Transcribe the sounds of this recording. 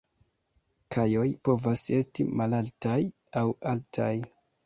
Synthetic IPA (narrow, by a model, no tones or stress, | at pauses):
kʰajo̞jpo̞vase̞stimalaltaj | awaltʰaj